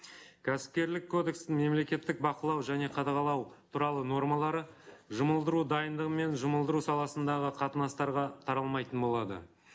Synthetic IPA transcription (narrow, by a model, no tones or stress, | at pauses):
kʲʰæsɪ̥p̚kʲe̞ɾlɪkʰːo̞d̪e̞kst̪ɪŋme̞mle̞kʲe̞t̪ːɪk̚bɑqəlˠɑwʒæne̞qʰɑd̪ɑʁɑlˠɑwt̪ʰuɾɑlˠəno̞rmɑlˠɑɾəʒʊməlˠd̪əɾud̪ɑjənd̪əʁəme̞nʒʊməlˠd̪əɾusɑlˠɑsənd̪ɑʁəqʰɑt̪ənɑst̪ɑɾʁɑt̪ʰɑɾɑlˠmɑjt̪ənbo̞lˠɑd̪ə̰